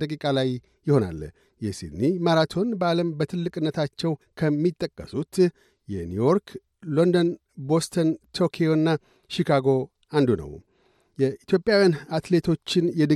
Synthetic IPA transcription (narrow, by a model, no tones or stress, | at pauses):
d̪əkʼikʼalaj | jːɪho̞na̰lː | jɛsḭd̪niməɾat̪ʰo̞nbaləmbət̪ʰɨlːɨkʼɨnːət̪ʰat͡ʃːɛwkʰəmːit̪ʼːəkʼːəsut̪ | jɛnjujo̞ɾkʰ | lo̞nd̪on | bo̞st̪ʰənt̪ʰo̞kʰejo̞ɨnːa | ʃikʰaɡo̞ | and̪unə̰w | jɛit̪ʰjo̞pʼjawjanat̪le̞t̪ʰo̞t͡ʃːɪnjɛd̪ə